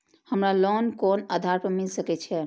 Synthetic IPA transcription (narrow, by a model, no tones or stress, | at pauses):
həmɾalɔnkɔnəd̪ʱaɾpəmilsəkɛt͡ʃʰɛ